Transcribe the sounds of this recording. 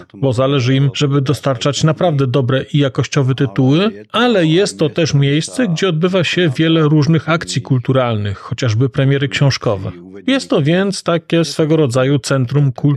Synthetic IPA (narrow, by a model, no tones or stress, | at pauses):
bɔzalɛʐɘimʐ̥ɛbɘd̪ɔst̪aɾt͡ʂat͡ɕnapɾavd̪ɛd̪ɔbɾɛʔijakɔɕt͡ɕɔvɛt̪ɘt̪uwɘ | alɛjɛst̪ːɔt̪ɛʂmʲjejst̪sɛɡd͡ʑɛɔd̪̚bɘvaɕɛvʲjɛlɛɾuʐnɘxakt̪sʲjikult̪uɾalnɘxːɔt͡ɕaʐbɘpɾɛmʲjɛɾɘkɕɔ̃w̃ʂkɔvɛ̰ | jɛst̪ːɔvʲjɛnt̪st̪akʲɛsfɛɡɔɾɔd̪zajut̪sɛnt̪ɾumku